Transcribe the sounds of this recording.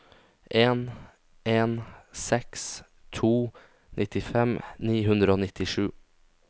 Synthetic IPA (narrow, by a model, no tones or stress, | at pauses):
ʔeːn | ʔeːnsɛks | t̪ʰuː | nʔɪt̪ɪfɛmniːɦʉnd̪ɾəoːnɪt̪ɪʂʉː